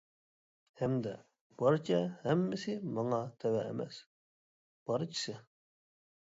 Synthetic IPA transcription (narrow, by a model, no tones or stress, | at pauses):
hɛmd̪ɛ | b̥ɑɾt͡ʃʰɛhɛmːɪsɪmɑŋɑt̪ʰɛwɛ̰ːmɛ̰s | b̥ɑɾt͡ʃʰi̥sɪ